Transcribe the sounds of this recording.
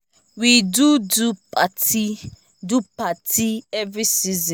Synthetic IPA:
widudupati | dupatʰiɛvɾisizĩ

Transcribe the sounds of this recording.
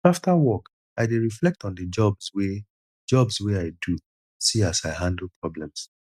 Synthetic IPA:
aftʰawɔk | aɪdeɹiflɛk̚tɔ̃n̩dəd͡ʒɔbswe | d͡ʒɔbsweaɪdu | siasaɪhãndl̩ˠpʰɹɔblɛ̃ms

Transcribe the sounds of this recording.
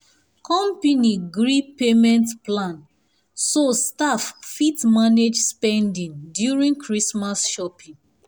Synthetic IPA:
kʰɔ̃mpiniɡɹipemɛ̃ntplãn | sostaffitmaned͡ʒspɛ̃ndĩŋdjuɹĩŋkʰɹismasʃɔpĩŋ

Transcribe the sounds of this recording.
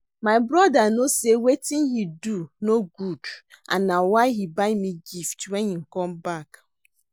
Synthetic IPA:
maɪbɾɔdanosewetɪ̃nhidunoɡud | ʔa̰nːawaɪɦibaɪmiɡiftwɛnin̩kɔmbak

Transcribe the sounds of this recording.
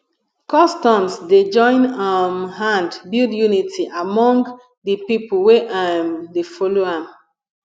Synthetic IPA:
kɔ̃stɔ̃msded͡ʒɔ̃ɪ̃namɦãndbildjunitʰiʔamɔ̃ŋɡ | dəpipoweʔamdefɔloãm

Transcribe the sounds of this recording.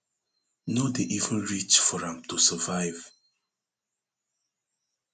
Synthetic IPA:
nodeʔivə̃nɹit͡ʃfɔɹãmtusəvaɪv

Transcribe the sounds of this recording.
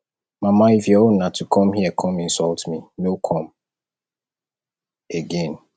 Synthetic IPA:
mamaifjɔonnatʰukʰɔ̃mɦiɛkʰɔ̃mĩn̩sɔltminokʰɔ̃m | eɡẽn

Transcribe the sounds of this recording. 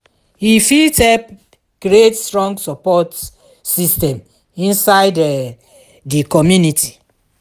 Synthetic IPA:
hifitɛb | ɡ̥ɾietstɹɔ̃ŋɡsɔpɔt | sistɛ̃m | ĩnsaɪdɛ | dikɔmjunitʰi

